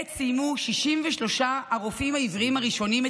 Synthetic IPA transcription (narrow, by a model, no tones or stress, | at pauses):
sijmuʃiʃimveʃlo̞ʃaʔːʁofimhaivʁiimaʁiʃo̞nime